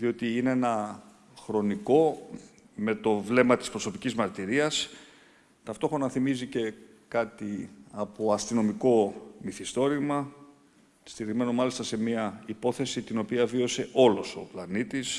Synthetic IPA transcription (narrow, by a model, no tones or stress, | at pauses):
ðio̞t̪iineenɐ | xɾo̞niko̞ | me̞t̪o̞vle̞mɐt̪ispɾo̞so̞picizmɐɾt̪iɾiɐs | t̪ɐft̪o̞xɾo̞nɐθimizice̞ | kɐt̪iɐpo̞ɐst̪ino̞miko̞miθist̪o̞ɾimɐ | st̪iɾizme̞no̞mɐlist̪ɐse̞miɐipo̞θe̞sit̪ino̞piɐvio̞se̞ʔo̞lo̞so̞̰plɐnit̪is